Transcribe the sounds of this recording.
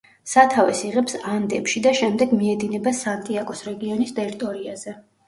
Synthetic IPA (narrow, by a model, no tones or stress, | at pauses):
sat̪ʰavɛsiʁɛpsand̪ɛpʃid̪aʃɛmd̪ɛɡmiɛd̪inɛbasant̪ʼiakʼɔsɾɛɡiɔnist̪ʼɛɾit̪ʼɔɾiaz̥ɛ